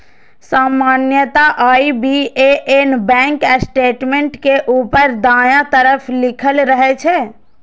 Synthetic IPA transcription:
saːmaːnjət̪aʔaibieʔenbɛ̃ːŋkəsʈeːʈmẽɳʈkeʔuːpəɾd̪aːjãt̪əɾəpʰlɪkʰəlɾəɦɛt͡ʃʰɛ

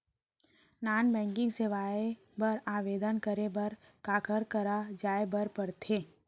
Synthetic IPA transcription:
naːnbɛ̃ːŋkɪ̃ŋɡseʋaːe | bəɾaːʋeːd̪ənkəɾebəɾ | kaːkəɾkəɾad͡ʒaːebəɾpəɾt̪ʰeː

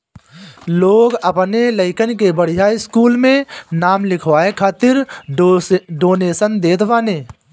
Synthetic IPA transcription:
loːɡəpneləɪkənkebəɽ̤ijaːiɪskuːlmẽnaːmlɪkʰʋaːekʰaːt̪ɪɾ | ɖoːneːsənd̪eːt̪ʰʋaːneː

